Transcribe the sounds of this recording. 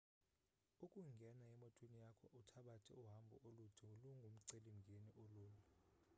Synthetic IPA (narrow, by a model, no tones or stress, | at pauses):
ukʼuŋɡʱɛnaɛmɔtʰʼwenijakʰɔʔutʰaɓatʰɛ̰uɦambʱɔ̰ʔolud̥ʱuluŋɡʱum̩ǀelimɡʱeniʔoluːnu